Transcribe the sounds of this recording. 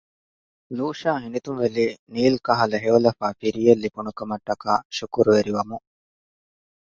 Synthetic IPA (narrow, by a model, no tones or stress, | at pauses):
luːʃaːɦinit̪umʋeliːniːlkɐɦɐlɐɦeolɐfaːfiɾijɐlːipunukɐmɐʈːɐkaːʃukuɾuʋeɾiʋɐmu